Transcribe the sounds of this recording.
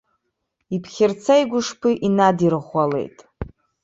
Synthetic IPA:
ipʰχʲɪrt͡sʰajɡʷʊʂpʰɨʔinadiɾχʷale̞̰jtʼ

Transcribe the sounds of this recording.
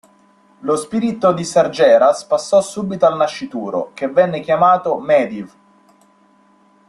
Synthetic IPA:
lospiːɾit̪od̪isard͡ʒɛːɾaspasːɔsːuːbit̪oalnaʃːit̪uːɾo̰kevːɛnːek̟jamaːt̪omɛːd̪iv

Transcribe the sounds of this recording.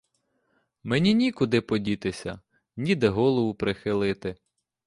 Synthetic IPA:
menʲinʲikʊd̪ɪpɔdʲit̪ɪsʲɐ | nʲid̪ɛɦɔlˠɔʋʊpɾɪxɪlˠɪt̪ɪ

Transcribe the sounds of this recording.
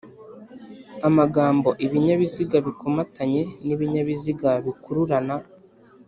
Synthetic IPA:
amaɡaːmbo̞ʔiβiɲaβiziɡaβikʰo̞mataɲe̞niβiɲaβiziɡaβikuɾuɾana

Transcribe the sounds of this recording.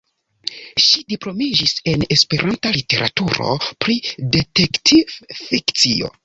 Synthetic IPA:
ʃidiplo̞mid͡ʒise̞ne̞spe̞ɾʔantalite̞ɾʔa̰tuɾo̞̰pɾidetektʰivfikt͡sio̞̰

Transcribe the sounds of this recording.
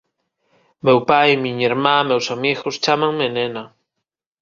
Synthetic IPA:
mewpajmĩɲiɾmãmewsamiɣost͡ʃamãŋmenena

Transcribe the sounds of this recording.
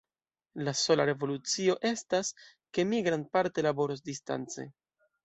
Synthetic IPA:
laso̞laɾe̞vo̞lut͡sio̞ʔe̞stas | ke̞miɡɾanpaɾte̞labo̞ɾosdista̰nt͡se̞̰

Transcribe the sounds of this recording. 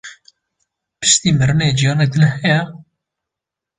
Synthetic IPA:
pɨ̥ʃt̪iːmɨɾɨneːd͡ʒijɑːnɛk̚d̪ɨnhɛjɛ

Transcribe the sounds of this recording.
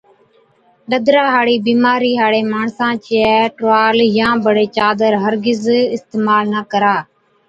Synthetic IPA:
ɗəd̪ɾaːɦaːɽiːbiːmaːɾiːɦaːɽeːmaːɳsãːt͡ʃeʈʋaːljãːbəɽeːt͡ʃaːd̪əɾɦəɾɡɪzɪst̪eːmaːlnəkəɾaː

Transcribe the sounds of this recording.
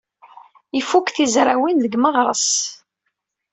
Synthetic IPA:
ifukθizɾawinðəɡməʁɾˤəs

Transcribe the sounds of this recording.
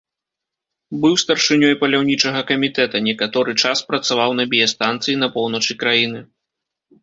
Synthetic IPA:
bɨwst̪ɐrʂɨnʲɔjpɐlʲawnʲit͡ʂɐɣɐkɐmʲit̪ɛt̪ɐnʲɛkat̪ɔɾɨt͡ʂaspɾɐt̪savawn̪ɐbʲijɛst̪ant̪sɨjin̪ɐpɔwnɐt͡ʂɨkɾajinɨ

